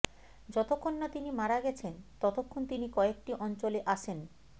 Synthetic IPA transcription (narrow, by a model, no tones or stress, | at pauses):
d͡ʑɔt̪okʰːonːat̪inimaɾaɡɛt͡ɕʰent̪ɔt̪okʰːont̪inikɔek̚ʈiʔɔnt͡ɕoleʔaʃʰen